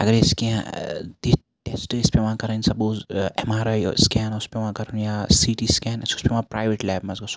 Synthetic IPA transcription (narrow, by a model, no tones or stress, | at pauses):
ɐɡɐɾeskɛ̃d̪i | ʈesʈɪspeʋɐ̃kɐɾənsɐbozɐmaːɾaskɛːnʊspeʋãkɐɾɐnjasiːʈiskɛːnɐsʊ̥speʋãpɾaːjʋeʈlɛːbmɐzɡɐs